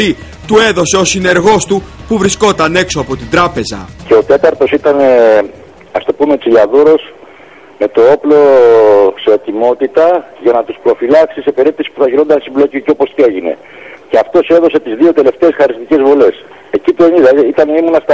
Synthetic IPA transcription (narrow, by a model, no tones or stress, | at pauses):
i | t̪ue̞ðo̞se̞o̞sine̞ɾɣo̞st̪upuvɾisko̞t̪ɐne̞kso̞ɐpo̞t̪ind̪ɾɐpe̞zɐ̰ce̞o̞t̪e̞t̪ɐɾt̪o̞sit̪ɐne | ɐst̪o̞pumeot͡siʎɐðuɾo̞s | me̞t̪o̞oplo̞ | se̞ːt̪imo̞t̪it̪ɐʝɐnɐt̪uspɾo̞filɐksise̞pe̞ɾip̚t̪esi̥puθɐʝiɾo̞nd̪ɐnsimblo̞ciuceopo̞st̪ie̞ʝine̞̰ | ceɐft̪o̞se̞ðo̞se̞t̪izðio̞t̪e̞le̞ft̪e̞esxɐɾist̪ice̞zvole̞s | e̞cip̪ueniðɐit̪ɐnoimonɐst̪